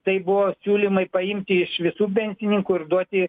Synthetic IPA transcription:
t̪ɐɪbʊʋoːsʲuːlʲimɐɪpɐɪmʲt̪ʲɪɪʃʋʲɪsuːpʲɛnʲsʲɪnʲɪŋkuɪrd̪uɔt̪ʲɪ

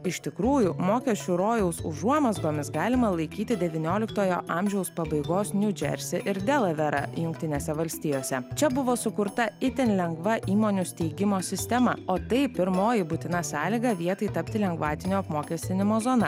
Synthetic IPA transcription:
ɪʃʲt̪ʲɪkɾuːjumoːkʲɛsʲt͡ʃʲuɾoːjɛʊsʊ̰ʒuɔmozbomʲɪsɡɑːlʲɪmɐlˠɐɪkʲiːt̪ʲɪd̪ʲɛʋʲɪnʲoːlʲɪkt̪oːjoːʔɑːmʲʒʲɛʊspɐbɐɪɡoːsnʲud͡ʒʲɛ̰ɾʲsʲɪʔɪɾd̪ʲɛlˠɐʋʲɛɾɐ̰jʊŋk̚t̪ʲɪnʲeːsʲɛʋɐlʲsʲt̪ʲijoːsʲɛt͡ʃʲɛbʊʋoːsʊkʊɾt̪ɐɪt̪ʲɛnʲlʲɛŋɡʋɐʔiːmoːnʲʊsʲt̪ʲɛɪɡʲɪmoːsʲɪsʲt̪ʲɛmɐoːt̪ɐɪpʲɪɾmoːjɪbʊt̪ʲɪnɐsɑːlʲiɡɐʋʲiɛt̪ɐɪt̪ɐpʲt̪ʲɪlʲɛŋɡʋɑːt̪ʲɪnʲoːɐpmoːkʲɛsʲt̪ʲɪnʲɪmoːzoːnɐ

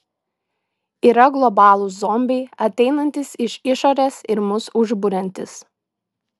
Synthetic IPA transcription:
iːɾɐɡlˠɔbɑːlˠʊzɔmʲbʲɛɪɐt̪ʲɛɪnɐnʲt̪ʲɪsɪʃɪʃoɾʲesɪɾmʊsʊʒbʊɾʲɛnʲt̪ʲɪs

